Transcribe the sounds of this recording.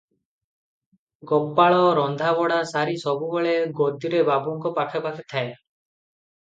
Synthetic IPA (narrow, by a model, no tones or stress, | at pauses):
ɡɔpːaɭɔɾɔnd̪ʱaβɔɽasaɾisɔbubeɭeɡod̪iɾebabuŋkɔpaʈʰɔpakʰet̪ʰae